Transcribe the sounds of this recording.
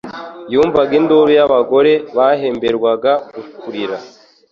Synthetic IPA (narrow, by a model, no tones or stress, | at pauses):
juːɱvaɡindoɾujaβaɡo̞ɾe̞βaɦe̞ːmbeɾɡwaɡaɡukʰuɾiɾa